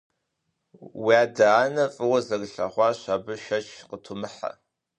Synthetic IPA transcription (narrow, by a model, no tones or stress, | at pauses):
waːdɐaːnɐfʼɨwɐzɐɣɨɬɐ̰χʷɑːɕaːbɨʃɐt͡ʃʰqətʰʊmɨħa̰